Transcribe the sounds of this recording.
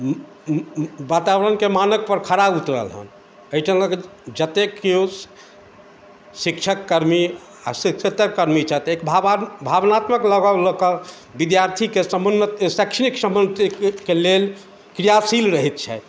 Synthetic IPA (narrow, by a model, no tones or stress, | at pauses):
bat̪abɾənkemanək̚pəɾkʰəɾabut̪ɾə̰lɦə̰n | əjʈʰələɡd͡ʒət̪ekeo | sikt͡ʃʰəkːəɾmi | a̰sikt͡ʃʰət̪əkːəɾmit͡ʃʰat̪ekbʱabʱabnat̪məkləɡawləkə | bid̪jaɾt̪ʰikesəmənət̪sakʃʰəniksəmbənt̪kelel | kɾijasilɾəɦit̪̚t͡ʃʰɛ̰